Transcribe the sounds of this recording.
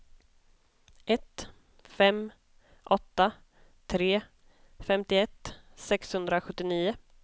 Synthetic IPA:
ʔɛt̪ | fɛm | ʔɔt̪ːa | t̪ʰɾeː | fɛmt̪ɪɛt̪ːsɛkshɵnd̪ɾaɧɵt̪ːɪniːʊ

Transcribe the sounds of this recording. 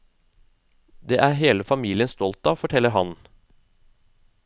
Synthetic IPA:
d̪eːʔæɾɦeːləfɑmiːlɪənst̪ɔlt̪ɑfɔʈʰɛlːəɾɦɑn

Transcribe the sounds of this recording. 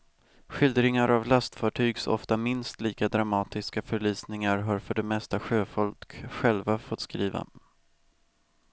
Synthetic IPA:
ɧʏld̪ɾɪŋaɾʔavlast̪fɑːʈʰyːɡsɔ̰ft̪amɪnst̪liːkad̪ɾamɑːt̪ɪskafœɭyːsnɪŋaɾɦaɾfœɖɛmɛst̪aɧøːfɔlkkɧɛlvafɔt̪ːskɾiːva̰

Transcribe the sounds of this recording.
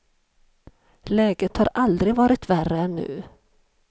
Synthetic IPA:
lɛːɡət̪haɾald̪ɾɪɡvɑːɾɪt̪værːəɛnːʉ̟̰ː

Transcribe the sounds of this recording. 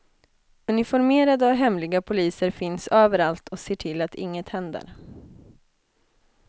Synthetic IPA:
ɵnɪfɔɾmeːɾad̪əɔɦɛmlɪɡapʰʊliːsəɾfɪnsøːvəɾalt̪ʰɔseːʈʰɪlːat̪ʰɪ̰ŋːət̪hɛnd̪ə̰ɾ

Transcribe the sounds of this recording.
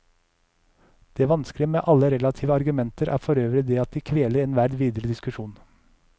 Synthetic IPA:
d̪̥eːʋɑnsklɪəmḛːʔɑləɾɛlɑt̪ʰiːʋəɑɾɡʉmɛnt̪əɾʔæ̰ːfɔɾøːʋɾəd̪eːɑt̪̚d̪iːkʰʋeːləɾeːnʋæɾd̪ʋiːd̪əɾəd̪ɪskʉʃuːn

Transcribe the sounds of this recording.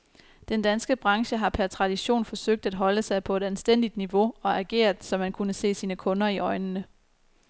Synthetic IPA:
d̥end̥ænsɡ̥əb̥ʁɑ̈ŋɕəɦɑ̈pʰæɐt͡sʰʁɑ̈d̥iɕo̝̰ːnfɒ̽søɡ̥̚d̥æd̥ɦɒ̽ləsɑ̈ɪpʰɒ̽e̝d̥ænsd̥en̰d̥id̥niʋo̝ɒ̽æɡ̥e̝̰ːɐd̥sɒ̽mːænkʰunəse̝̰ːsiːnəkʰɔ̽nɐiʔɒ̽ɪnənə

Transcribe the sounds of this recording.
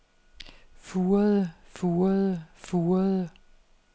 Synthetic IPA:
fuːɐðˠəfuːɐðˠəfuːɐðˠə

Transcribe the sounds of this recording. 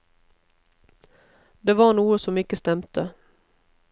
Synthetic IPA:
d̪eːʋɑːʁɳuːəsɔmɪkəst̪ɛmt̪ʰə

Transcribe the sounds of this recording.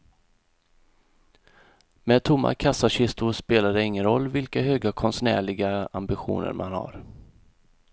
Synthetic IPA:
mɛːd̪̚t̪ʰʊmːa̰kʰasaɕɪst̪ʊspeːlad̪ɛɪŋːənɾɔlːvɪlkaɦøːɡakʰɔnsnæ̰ːɭɪɡaa̰mbɪɧṵːnə̰ɾmʔanha̰ɾ

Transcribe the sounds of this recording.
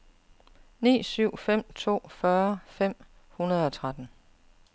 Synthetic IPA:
nḭːsyʊ̰fem̰t͡sʰo̝̰ːfɶːɐfem̰ | hunɐð̞ˠɒ̽t͡sʰʁad̥n̩

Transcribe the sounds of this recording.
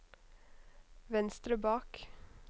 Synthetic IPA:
ʋɛnst̪ɾəbɑːk

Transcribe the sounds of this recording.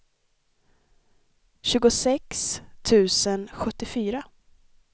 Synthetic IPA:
ɕʉ̟ːɡʊsɛkst̪ʰʉ̟ːsənɧɵt̪ːɪfyːɾa

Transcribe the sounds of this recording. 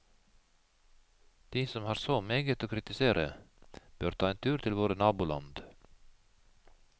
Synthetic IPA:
d̪̥iːsɔmhɑːɾsoːmeːɡət̪oːkʰɾɪt̪ɪseːɾʔəb̥øːɾt̪ʰɑːeːnt̪ʰʉːɾt̪ʰɪlʋoːɾənɑːbuːlɑ̰nd̪

